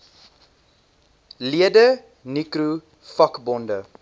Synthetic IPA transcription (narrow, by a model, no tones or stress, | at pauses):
liədə | nikru | fɐkbɔndə